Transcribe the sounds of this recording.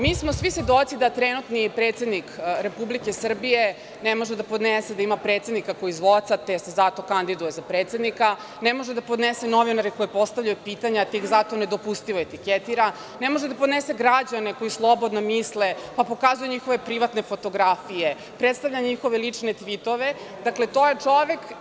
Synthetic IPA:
miːsmosʋisʋʲed̪o̞t̪sid̪at̪ɾenut̪nipɾet̪se̞d̪nikɾe̞publike̞sr̩bije | nemo̞ʒed̪apo̞d̪nesed̪aimapɾet̪sed̪nikako̞izʋo̞t̪sat̪esezat̪o̞kand̪id̪ujezapɾeːt̪se̞d̪nika | nemoʒed̪apo̞d̪neseno̞ʋinaɾiko̞jipo̞st̪aʋʎajupiːt̪aɲat̪ikzat̪o̞ne̞d̪opust̪iʋoet̪iket̪iɾa | nemo̞ʒed̪apod̪nese̞ɡɾad͡ʑane̞ko̞jislˠo̞bo̞d̪nomislepapo̞kazujuɲixo̞ʋe̞pɾiʋat̪nefo̞t̪o̞ɡɾafije | pɾet̪st̪aʋʎaɲixo̞ʋelit͡ʂnet̪ʋit̪o̞ʋe̞ | d̪akle̞t̪ojet͡ʂoʋek

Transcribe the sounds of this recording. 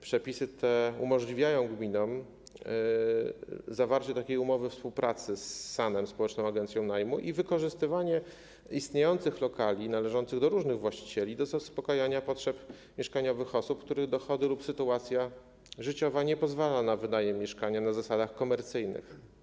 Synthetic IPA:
pʂɛpʲisɘt̪ʰɛumɔʐlʲivʲjajɔ̃w̃ɡmʲinɔm | zavaɾt͡ɕɛt̪akʲejumɔvɘfspuwpɾat̪sɘsːanɛmspɔwɛt͡ʂnɔ̃w̃aɡɛnt̪sʲjɔ̃w̃najmuʔivɘkɔʐɘst̪ɘvaɲɛ | ist̪ɲejɔnt̪sɘxlɔkalʲinalɛʐɔnt̪sɘɣd̪ɔɾuʐnɘɣvwaɕt͡ɕi̥t͡ɕɛlʲid̪ɔzaspɔkajaɲapɔtʂɛp | mʲjɛʂkaɲɔvɘxɔsup̚k̚t̪uɾɘɣd̪ɔxɔd̪ɘlupsɘt̪uat̪sʲja | ʐɘt͡ɕɔvaɲɛpɔzvalanavɘd̪ajɛmʲjɛʂkaɲanazasad̪axkɔmɛɾt̪sɘjnɘ̰x

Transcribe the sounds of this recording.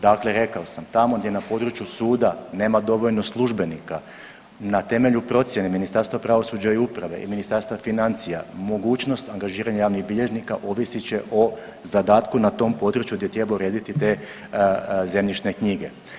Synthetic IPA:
d̪akle̞ɾe̞kaosamt̪amo̞ɡd̪je̞napo̞ːd̪ɾut͡ʃjusuːd̪ane̞ːmad̪o̞ʋoʎno̞slˠuʒbe̞nika | nat̪e̞me̞ʎupɾo̞t̪sʲjeneminist̪aɾst̪ʋapɾaʋo̞sud͡ʒaiupɾaʋe̞̰ʔḭminist̪aɾst̪ʋafinant̪sija̰mo̞ɡuːt͡ʃno̞st̪aŋɡaʒiːɾaɲajaːʋniɣbiʎe̞ʒnikaʔo̞ʋisit͡ɕe̞ʔo̞ | zad̪aːt̪kunat̪o̞mpo̞ːd̪ɾut͡ɕjuɡd̪jet̪ɾjebaouɾe̞ːd̪it̪it̪e̞ː | ze̞mɲit͡ʃne̞kɲiɡe̞

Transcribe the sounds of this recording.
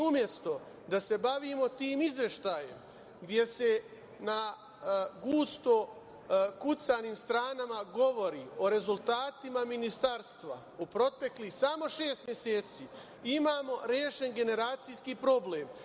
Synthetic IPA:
umje̞st̪o̞ | d̪ase̞baʋiːmo̞t̪iːmizʋje̞ʃt̪aje̞̰m | ɡd̪je̞se̞ | na | ɡuːst̪o̞ | kut̪saniːmst̪ɾaːnamaɡo̞ʋo̞ɾiːo̞ɾe̞zulˠt̪aːt̪imaminist̪aɾst̪ʋa̰ | upɾo̞t̪e̞klixsamo̞ʃe̞ːst̪mje̞seːt̪siː | imaːmo̞ɾjeːʃe̞nɡe̞ne̞ɾaːt̪sijskipɾo̞bleːm

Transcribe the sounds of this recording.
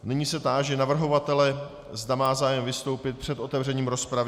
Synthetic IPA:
nɪɲiːsɛt̪aːʒɛnavr̩ɦo̞vat̪ɛlɛ | zd̪amaːzaːjɛmvɪst̪o̞wpɪt̪̚pr̝̥ɛt̪ʔo̞t̪ɛvr̝ɛɲiːmɾo̞spɾavɪ

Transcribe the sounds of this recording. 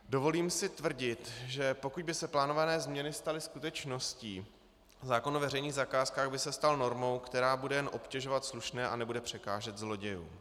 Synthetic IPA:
do̞vo̞liːmsɪt̪vr̩ɟɪt̪ʒɛpo̞kuɟ̚bɪsɛplaːno̞vanɛːzmɲɛnɪst̪alɪskut̪ɛt͡ʃno̞sciː | zaːko̞novɛrɛjniːɣzakaːskaːɣbɪsɛst̪alno̞ɾmo̞wkt̪ɛɾaːbudɛjɛnʔo̞pcɛʒo̞vat̪sluʃnɛːʔa̰nɛbudɛpr̝̥ɛkaːʒɛt̪zlo̞ɟɛjṵː

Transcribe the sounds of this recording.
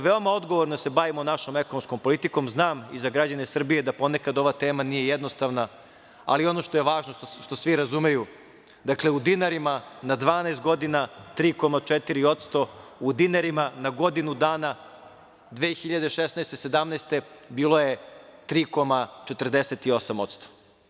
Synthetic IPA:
ʋe̞o̞mao̞d̪ɡo̞ʋoɾno̞se̞baʋimonaʃo̞meko̞nomsko̞mpo̞lit̪iko̞mznaːmizaɡɾad͡ʑanesr̩bije̞d̪apo̞ne̞kad̪o̞ʋat̪eːmanije̞jed̪nost̪aʋna | a̰lio̞no̞ʃt̪ojeʋaːʒnoʃt̪o̞sʋiɾazumeju | d̪akleud̪inaɾimanad̪ʋaːneːst̪̚ɡo̞d̪inat̪ɾiːko̞mat͡ʂet̪iɾio̞t̪st̪o̞ud̪inaɾimanaɡo̞d̪inud̪aːna | d̪ʋeːxiʎad̪eʃesnɛest̪ese̞d̪amnɛːst̪e̞biːlˠo̞je̞t̪ɾiːko̞mat͡ʃet̪r̩d̪eset̪io̞samot̪st̪o̥

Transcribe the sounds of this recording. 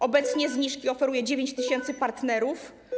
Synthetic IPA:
ʔɔbɛt̪sɲɛzɲiʂkʲiɔfɛɾujɛd͡ʑevʲeɲt͡ɕt̪ɘɕɛnt̪sɘpaɾt̪nɛɾuf

